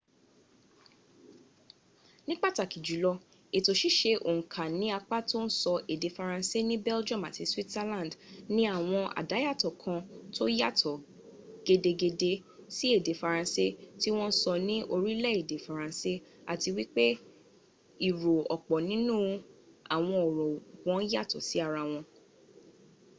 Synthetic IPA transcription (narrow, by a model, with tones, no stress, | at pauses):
nĩ˦k͡pa˦˨ta˨ki˨d͡ʒu˨˦lɔ˧ | e˨to˨ʃi˦ʃe˧ʔõ̰˨kʰa˨nĩ˨˦a˧k͡pa˦to˦n̩˦sɔ˧e˨de˨˦fa˧ɾã˧se˦nĩ˦bɛ˦ld͡ʒɔ̃˦˨ma˨ti˨˧swi˦tsɛ˧lã˦˨n˨dnĩ˦a˦˨w̃ɔ̃˧ʔa̰˨da˨˦ja˦˨tɔ˨kʰã˧to˦ja˦˨tʰɔ˨ | ɡ̥e˧de˧ɡe˧de˧si˦e˦˨de˨˦fa˧ɾ̃ã˧se˦ti˦w̃ɔ̃˦n̩˦sɔ˧nĩ˦ʔo˧ɾi˦lɛ˦e˨de˨˦fa˨ɾã˧se˦a̰˨ti˧wi˦k͡pe˦ | i˨ɾo˨ɔ˨k͡pɔ˨nĩ˨˦nũ˦a˨w̃ɔ̃˧ɔ˨ɾɔ˨ɡɔ̃˨˦ja˦˨tɔ˨si˨˦a˦˨ɾa˧w̃ɔ̃˧